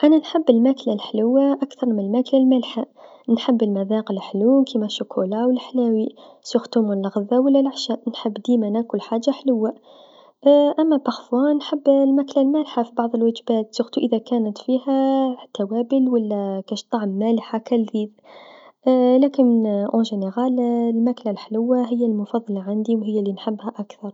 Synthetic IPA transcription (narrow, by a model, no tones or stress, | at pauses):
ʔananħɪbːɪlmaklalħlʊwːaʔakθɑɾˤmɪnɪlmaklalmalħa | nħɪbːɪlmaðaːqɪlħluːkimaʃʊkʰulawɪlːħlaːwisʊxt̪umɪlːaɣʊðawalːalaʕʃaʔnħɪbːd̪iːmanakʊlħaːd͡ʒːaħlʊwːa | ʔamːabaxfwɑːnħɪbːlmaklalmæːlħafibɑʕðˤəlwad͡ʒbaːt̪sʊxt̪uʔɪðakæːnət̪fiːhæt̪awæːbɪlwalːækæʃt̪ˤːɑʕmːælħakælðiːð | læːkɪnmnʔõʒeneɣɑːllmaklalħlʊwːaɦɪjːalmʊfɑðˤːɑlɑʕand̪iwɦɪjːalːinħɪbːhæʔakθɑɾˤ